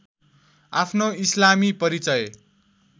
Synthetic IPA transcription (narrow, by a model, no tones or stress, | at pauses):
apʰnoislamipʌɾit͡sʌj